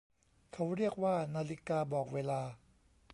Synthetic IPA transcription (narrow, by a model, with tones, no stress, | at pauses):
kʰa˦˥wɾi˥˩ək̚waː˥˩naː˧li˦˥kaː˧bɔː˨˩k̚weː˧laː˧